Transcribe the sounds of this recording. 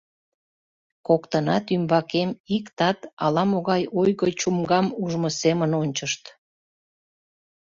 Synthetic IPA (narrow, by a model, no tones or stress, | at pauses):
kokt̪ənɑt̪ymbɑkemikt̪ɑt̪ɑlɑmoɣɑjojɣət͡ɕumɡɑmuʒmosemənonʲt͡ɕəʃt̪